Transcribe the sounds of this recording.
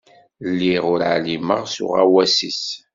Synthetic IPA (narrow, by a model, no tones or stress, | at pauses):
lːiʁʊɾʕlimə̰ʁsʊ̰ʁawæsis